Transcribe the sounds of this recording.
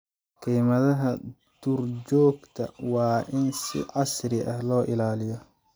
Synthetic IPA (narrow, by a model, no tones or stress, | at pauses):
kʰijmɐðɐɦɐ | d̪̥uːrt͡ʃɔːɡt̪ʰɐ̰wɑːʔɪnsɪ̰ʕɑsɾɪʔɐhlɔːʔɪlaːlɪjɔ